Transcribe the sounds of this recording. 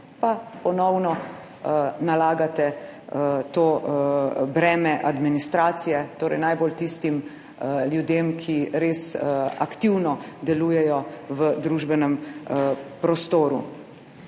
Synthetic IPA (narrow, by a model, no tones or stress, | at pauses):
papɔnɔwnɔ | nalaːɡat̪ɛ | t̪oː | bɾɛːmɛʔad̪minist̪ɾaːt̪sijɛt̪oːɾɛ̰jnajbolt̪ist̪im | ljud̪emkʰiɾeːsa̰kt̪iwnɔd̪ɛluːjɛjɔʋəd̪ɾuːʒbɛnɛm | pɾɔst̪oːɾṵ